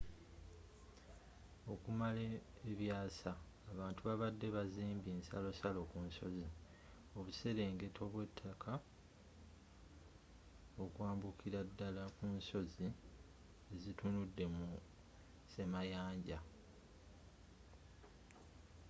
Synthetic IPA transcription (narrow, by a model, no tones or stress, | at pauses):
o̞kumaleː | βjaːsaː | βaːntuβaβadːe̞βaziːmbiːnsalo̞salo̞kunso̞zi | o̞βuse̞ɾe̞ːŋɡe̞tʰo̞βwetʰːakʰa | o̞kwaːmbukʰiɾadːalakunso̞zi | ezitunudːe̞mu | se̞majaːɲɟa